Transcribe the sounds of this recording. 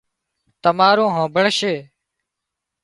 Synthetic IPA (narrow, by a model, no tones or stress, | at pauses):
t̪əmaːɾõːɦõːbʱəɽʃeː